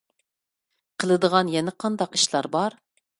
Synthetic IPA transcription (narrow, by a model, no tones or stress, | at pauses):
qʰəlˠɨd̪əʁɑnjɛnɛqʰɑnd̪ɑqi̥ʃlˠɑɾbɑɾ